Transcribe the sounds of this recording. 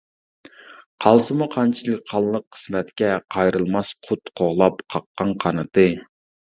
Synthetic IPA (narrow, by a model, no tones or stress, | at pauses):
qʰɑlˠsɨmuqʰɑnt͡ʃʰilˠɨk̚ʲqʰɑlˠlˠəqʰːə̥smɛt̪kʲɛqʰɑjɾɨlˠmɑsqʰʊt̪qʰoʁlˠɑpqʰɑqːɑnqʰɑnɨt̪ɨ